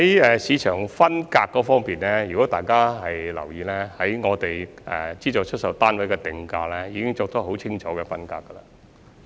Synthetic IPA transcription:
hɐ˨˦jɛː˨siː˨˧t͡ʃʰœː˨˩ŋfɐ˥nkaː˧kːɔː˨˥fɔː˥ŋpiː˨nlɛː˥jyː˨˩kɔ˨˥t̪aː˨jkaː˥ɦɐ˨jlɐ̰˨˩wjiː˨˧lɛː˥hɐ˨˥jŋɔː˨˧t̪e˨jɛ̰ː˨t͡siː˥t͡sɔ˨˧t͡ʃʰɵ˥t̚sɐ˨˧wt̪aː˥nwɐ˨˥jkɛ˧t̪ɪ˨ŋkaː˧lɛː˥jiː˨˧kɪ˥ŋt͡soː˧k̚t̪ɔ˥ɦo˨˥wt͡ʃʰɪ˥ŋt͡ʃʰɔː˨˥kɛ˧fɐ˥nka̰ː˧kːɐ˧lɐ˨

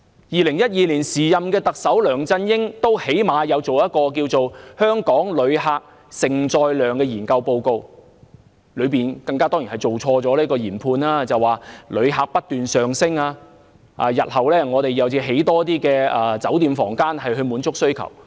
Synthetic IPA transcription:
jiː˨lɪ˨˩ŋjɐ˥t̚jiː˨˧liː˨˩nsiː˨˩jɐ˨mkɛː˧t̪ɐ˨k̚sɐ˨˥wlœː˨˩ŋt͡sɐ˧njɪ˥ŋt̪o˥whe˨˥jmaː˨˧jɐ˨˧wt͡so˨wjɐ˥t̚kɔː˧k̬iː˧wt͡so˨whœː˥ŋkɔː˨˥ŋlɵ˨˧ɥɦaː˨˧k̚ | sɪ˨˩ŋt͡ʃɔː˨˧jlœː˨ŋkɛː˧jiː˨˩nkɐ˧wpo˧wko˧w | lɵ˨˧ɥpiː˨nkɐ˧ŋkaː˥t̪ɔː˥ŋjiː˨˩nhjt͡so˨wt͡sʰɔː˧t͡sɔː˨˥liː˥kɔː˧jiː˨˩npʰuː˧naː˥t͡sɐ˨waː˨˩lɵ˨˧ɥɦaː˨k̚pɐ˥t̚t̪yː˨nsœː˨ŋsɪ˥ŋaː˧ | ʔa̰ː˧jɐ˨t̚hɐ˨˩wlɛː˥ŋɔː˨˧t̪e˨jɐ˨˧wt͡siː˧ɦe˨˥jt̪ɔː˥t̪iː˥kɛː˧ɐ˨˧t͡sɐ˨˥wt̪iː˨mfɔ̰ː˨˩ŋkaː˥nhɐ˨jɦɵ˧ɥmuː˨˥nt͡sʊ˥k̚sɵ˥ɥkʰɐ̰˨˩w

